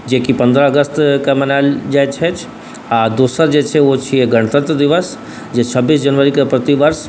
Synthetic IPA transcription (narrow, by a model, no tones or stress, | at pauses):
d͡ʒekipɐ̃nd̪ɾəɐɡəst̪kamɐnaːld͡ʒaːjt͡ʃʰɛt͡ʃʰ | ad̪uːsəɾd͡ʒeːt͡ʃʰɛʋot͡ʃʰieɡɐɽ̃t̪ə̃t̪d̪ɪʋəs | d͡ʒet͡ʃʰəbːiːs̬d͡ʒɐnʋəɾikapɾət̪iʋəɾs